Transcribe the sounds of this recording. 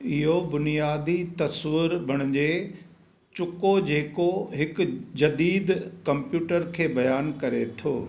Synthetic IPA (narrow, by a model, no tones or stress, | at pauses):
ɪɦobʊnijaːd̪it̪ɐsʋɪɾbʱɐɽ̃ʊd͡ʑeː | t͡ɕʊkod͡ʑeːkoɦɪkd͡ʑɐd̪iːd̪kɐ̃mpjuːʈəɾkʰeːbɐjaːnkɐɾet̪ʰoː